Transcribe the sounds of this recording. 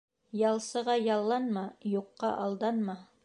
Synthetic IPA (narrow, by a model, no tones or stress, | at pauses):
jɑlˠsɤ̆ʁɑjɑlˠːɑnmɑjuqːɑ̰ʔɑlˠd̪ɑnmɑ